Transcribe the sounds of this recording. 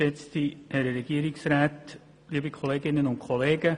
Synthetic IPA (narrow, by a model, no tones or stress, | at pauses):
ɛt͡st̪ihɛɾəɾɛɡ̥iəɾɪksɾaːt | liəbikχɔleːɡɪnːənʊntkʰχɔleːɡə